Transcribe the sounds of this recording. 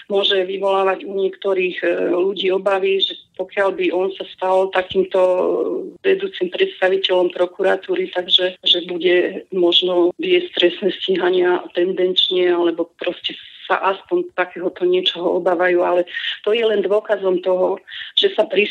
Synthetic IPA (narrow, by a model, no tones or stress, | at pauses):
mʊɔʒɛʋiʋɔlaːʋaɟuɲɪɛkt̪ɔɾiːɣluɟiːɔbaʋiʒɛpɔkɪalbiʔɔnsast̪alt̪akiːmt̪ɔ | ʋɛd̪uːt͡simpɾɛt̪st̪aʋicɛlɔmpɾɔkuɾat̪uːɾit̪aɡʒɛʒɛbuɟɛmɔʒnɔʋɪɛst̪ɾɛsnɛsciɦaɲɪat̪ɛnd̪ɛnt͡ʃɲɛalɛbɔpɾɔscɛsa̰ʔaspɔnt̪akɛːɦɔt̪ɔɲɪɛt͡ʃɔɦɔɔbaːʋajuːalɛt̪ɔjɛlɛnd̪ʋɔkazɔmt̪ɔɦɔʒ̥ɛsapɾi